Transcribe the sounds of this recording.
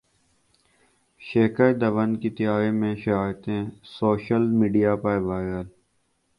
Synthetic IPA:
ʃeːkəɾd̪əʋənkit̪ɪjaːɾemẽːʃɪɾaːt̪ẽːsoːʃəlmiːɖijaːpaːjʋaːɪɾəl

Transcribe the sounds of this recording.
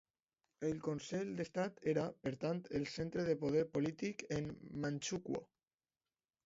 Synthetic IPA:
elkonseʎd̪est̪at̪eɾapeɾt̪ant̪ʰelsent̪ɾeðepoð̞eɾpolit̪ikemmanʲt͡ʃukwo̰

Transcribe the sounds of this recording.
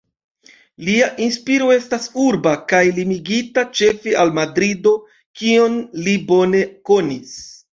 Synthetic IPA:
liaʔinspiɾo̞e̞stasuɾbakajlimiɡitat͡ʃe̞feʔalmadɾido̞ | kio̞nlibo̞ne̞ko̞nis

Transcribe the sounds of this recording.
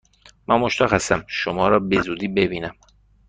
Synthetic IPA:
mænmoʃt̪ɒːxæsæmʃomɒːɾɒːbe̞zuːd̪iːbe̞biːnæm

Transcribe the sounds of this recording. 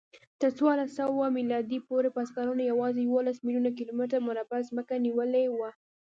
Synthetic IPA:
t̪əɾt͡swɑɾlasawamilɑd̪ipoɾepaskɑɾunajawɑzejawolasmiljunakilomɪʈ̬aɾmʊɾabazməkaniwəlewa

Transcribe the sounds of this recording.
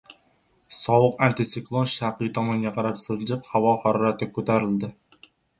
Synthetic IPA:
sɒwɨqant̪ɪsɪklˠonʃaɾqijt̪ʰɒmɒŋɡʲaqʰɑɾapsozd͡ʒɪp̚havɒfaɾɒɾat̪ɪkʰɵt̪ʰaɾɪld̪ɪ

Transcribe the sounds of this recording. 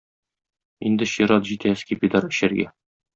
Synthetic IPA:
ind̪ɘɕiɾɑt̪ʑit̪æskʲepʲid̪ɑɾɘ̆ɕɘɾɡæ

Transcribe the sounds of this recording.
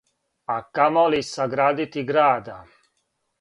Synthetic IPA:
akamolisaɡɾaːd̪it̪iɡɾaːd̪a

